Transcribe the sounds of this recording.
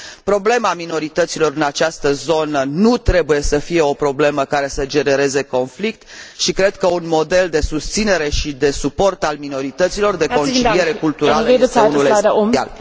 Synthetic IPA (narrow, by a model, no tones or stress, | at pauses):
pɾo̞ble̞mamino̞ɾit̪ət̪silo̞ɾɨnat͡ʃast̪əzo̞nənut̪ɾe̞buje̞səfie̞o̞pɾo̞ble̞məkaɾe̞səd͡ʒe̞ne̞ɾe̞ze̞ko̞nflik̚t̪ʃikɾe̞d̪̚kəunmo̞d̪e̞ld̪e̞sust̪sine̞ɾe̞ʃid̪e̞supo̞rt̪almino̞ɾit̪ət̪silo̞rd̪e̞ko̞nt͡ʃilije̞ɾekult̪uɾalunulesia̰l